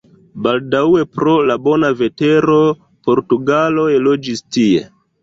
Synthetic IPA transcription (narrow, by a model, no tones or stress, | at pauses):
baldawe̞pɾo̞labo̞nave̞te̞ɾo̞ | po̞ɾtuɡalo̞elo̞d͡ʒistie̞̰